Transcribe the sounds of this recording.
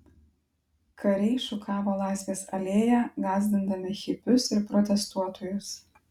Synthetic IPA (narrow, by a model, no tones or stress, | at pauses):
kʰɐɾʲɛɪʃʊkʰɑːʋoːlˠɑˑɪsʲʋʲeːsɐlʲeːjæɡɑːzʲd̪ʲɪnd̪ɐmʲɪxʲɪpʲʊsɪɾpɾɔt̪ʲɛst̪uɔt̪oːjʊs